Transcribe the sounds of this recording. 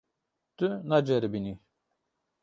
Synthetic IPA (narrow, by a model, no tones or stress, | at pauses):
t̪ɨnad͡ʒɛɾbini